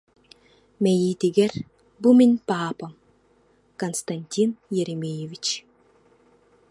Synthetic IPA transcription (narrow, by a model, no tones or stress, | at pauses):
mɛjiːt̪iɡɛɾ | buminʲpaːpɐm | kɐnst̪ɐnʲt̪ʲinjɛɾɛmʲejevʲit͡ʃ